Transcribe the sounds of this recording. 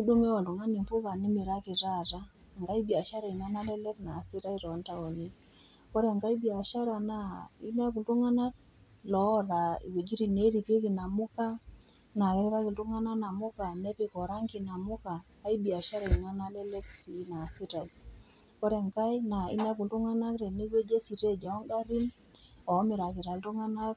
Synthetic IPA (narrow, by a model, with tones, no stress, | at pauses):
i˦ɗu˦ŋɛ˦wa˨lu˨ŋa˦ni˨mfu˦ka˨nɪ˦me˨ɾa˦kɪ˨ta˦ta˦ | ŋɡa˦i˦bi˨a˨ʃa˦ɾa˨i˨ŋa˦na˦lɛ˦lɛ˦pna˨sɪ˦ɾa˦iɾɔ˨˦nta˦ɔ˨ɲi˦ | kɔ˦ɾɛ˨ŋɡa˦i˦bi˨a˨ʃa˦ɾa˨na˦i˦na˦k̬u˨tu˦ŋa˦na˦t | lɔ˨˦ɾa˨ḭ˨we˨d͡ʒi˦ɾi˨ne˦ɾi˨pje˦ki˨na˨mʊ˦ka˦ | na˨ke˦ɾe˦ɾa˦kɪ˨ltu˦ŋa˦na˦na˨mʊ˦ka˨ne˦pɪ˦kɔ˨ɾa˦ŋki˨na˨mʊ˦kaː˨˦i˦bi˨a˨ʃa˦ɾa˨ŋa˦na˦ne˦le˦ksi˨na˨sɪ˦ɾa˨i | kɔ˦ɾɛ˨ŋka˦jna˨ḭ˦na˦k̬u˨ntu˦ŋa˦na˦kɾe˨ni˦we˦d͡ʒe˦si˨ɾe˦˨d͡ʒɔ˨˦ŋɡa˦ɾi˦n | ɔ˨˦mɪ˨ɾa˨kɪ˨ɾa˨ltu˦ŋa˦na˦k̚